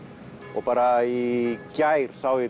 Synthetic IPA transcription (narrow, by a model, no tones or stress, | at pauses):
opaɾaikjajɾsawi